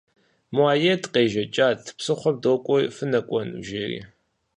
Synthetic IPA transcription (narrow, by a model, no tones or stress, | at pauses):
muaːjɛtqeːʒɐt͡ʃʼaːtʰpsɨχʷɔm̚doːkʷʼɔfɨnɐkʷʼɔnwʒerḭː